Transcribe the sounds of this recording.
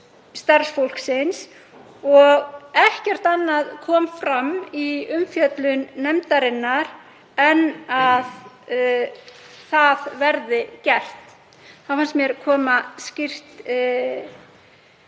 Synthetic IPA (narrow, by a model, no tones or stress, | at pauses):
st̪aɾsfowl̥ksɪns | ɔɣɛhcɛr̥t̪anːaðkʰɔːmfɾamiʏmfjœt̪lʏnːɛmt̪aɾɪnːaɾ | ɛnað | θaðvɛɾðɪcɛr̥t̪ | θafanst̪mjɛɾ̥kʰɔːmascɪr̥t̪